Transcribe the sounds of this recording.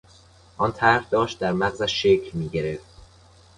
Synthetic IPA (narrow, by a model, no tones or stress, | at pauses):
ʔɒnt̪ʰæɾhd̪ɒːʃt̪̚d̪æɾmæɣzæʃʃːecʰlmiːɟeɾeft̪